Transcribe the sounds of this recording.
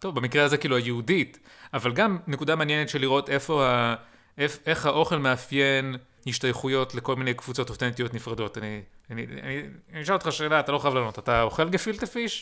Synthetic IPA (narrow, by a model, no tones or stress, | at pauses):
t̪ovbamikʁeazekiːluhajeudit | avalɡamne̞kud̪amanjenet̪ʃeliʁo̞te̞fo̞ha | efe̞χhaʔo̞χe̞lmeafje̞n | hiʃtajχujo̞tle̞ko̞lminejkv̥ut͡so̞totentijo̞tnifʁado̞taniania̰niniʃalot̪χaʃe̞ːlatalo̞xχajavlano̞tataoχe̞lɡefiltefiʃ